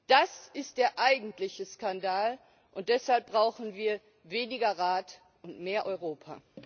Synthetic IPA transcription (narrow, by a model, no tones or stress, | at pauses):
d̥asɪst̚d̥eːɐʔaɪɡŋ̩tlɪçəskandaːl | ʔʊnt̚d̥ɛshalp̚b̥ʁaʊxn̩viːɐ | veːnɪɡɐʁaːt | ʔʊntmeːɐʔɔʏʁoːpʰa̰